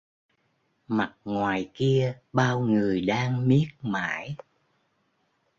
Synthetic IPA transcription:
ma˨˩t̚ŋwaː˨˩jki˧əɓaː˧wŋɨ˨˩əjɗaː˧ŋmi˦˥ət̚ma̰ː˧˥j

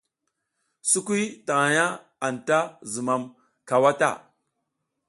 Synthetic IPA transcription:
su˦kʷi˦ta˨ŋa˨ja˦ | a˨n˨ta˦zu˨ma˨m | ka˨wa˦ta̰˦˨

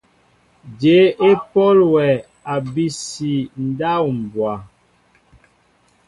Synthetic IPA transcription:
d͡ʒe˨˦e˦pɔ˦lwɛ˨ | a˨bi˦si˨n̩˦da˦˨wm̩˨bwa˨

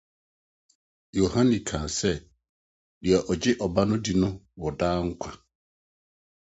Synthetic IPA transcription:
jo˨hã˦nĩ˨kʰã˨sɛ˦ | di˨ɛ˨ʔɔ˨d͡ʑɪ˦ʔɔ˨ba˦nʊ̃˦di˨nʊ̃˦wɔ˨daː˦ŋ̩˦kʷʰã˨

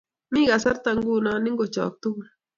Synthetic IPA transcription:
mĩ˦ɡa˨sa˦ɾt̪a˧ŋɡu˦˨nã˦nɪ˦ŋɡo˨t͡ʃɔ̰ː˨k̚t̪u˦ŋ

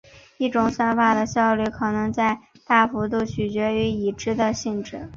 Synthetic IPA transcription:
i˥˩ʈ͡ʂʊ˨˩ŋsa˥nfa˥˩d̪ə˨ɕjɑ˥˧ʊly˥˩kʰɤ˨˩nɤ˧˥ŋt͡sa˥˧ɪ | t̪a˥˩fu˧˥t̪u˥˩t͡ɕʰy˨˩t͡ɕɥɛ˧˥y˧˥i˨˩ʈ͡ʂɻ̩˥d̪ə˨ɕi˥˧nʈ͡ʂɻ̩˥˩˦

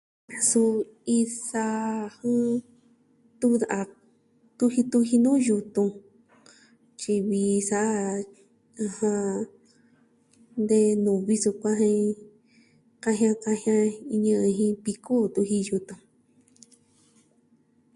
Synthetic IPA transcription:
a˨su˧ | i˧sa˧hũ˦ | t̪u˦˧a˨ʔa˧ | t̪u˧hi˧t̪u˧hi˧nũː˦ju˧t̪ũ˧ | t͡ʃi˧βi˧sa˧ʔa˦ | a˧hã˧ | nd̪e˧nũ˨βi˧su˧kʷã˦ɦĩ˧ | kã˦˧ɦj̃ã˧kã˧hj̃ã˧i˧ɲɨ̃˧ɨ̃˧ɦĩ˧βi˧ko˦t̪u˧hi˧ju˧t̪ũ˧

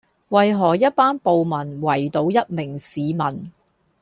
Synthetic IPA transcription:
wɐ˨jɦɔː˨˩jɐ˥t̚paː˥npo˨wmɐ˨˩nwɐ˨˩jt̪o˨˧wjɐ˥t̚mɪ˨˩ŋsiː˨˧mɐ˨˩n

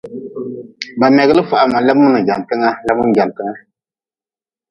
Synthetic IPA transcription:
ba˨mɛ˨ɡɨ˦lɨ˦fa˨ʔa˨ma˨lɛ˦bmu˦nɨ˨ɡa˨n˨tɨ˦ŋa˦la˦bmu˦˨ɡa˨n˨tɨ˦ŋa˦

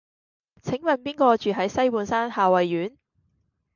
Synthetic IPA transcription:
t͡sʰɪ˨˥ŋmɐ˨npiː˥nkɔː˧t͡ʃyː˨˩ɦɐ˨˥jsɐ˥jpuː˨nsaː˥nhaː˨wɐ˨jːyː˨˥n

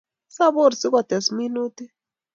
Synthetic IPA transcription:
sa˦bo˦˨ɾsi˦ka˨t̪ɛ˨smi˦nu˦t̪i˦

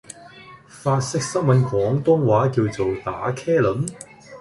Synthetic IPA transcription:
faː˧t̚sɪ˥k̚sɐ˥ŋmɐ˨nkʰɔː˨˥ŋt̪ʊ˥ŋwaː˨˥kiː˧wt͡so˨wt̪a̰ː˨˥kʰɛː˥lɵ˨˥m

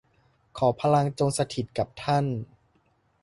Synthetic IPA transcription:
kʰɔː˩˦pʰa˧la˧ŋt͡ɕo˧ŋsa˧t̪ʰi˨˩t̪̚ka˨˩p̚t̪ʰa˥˩n

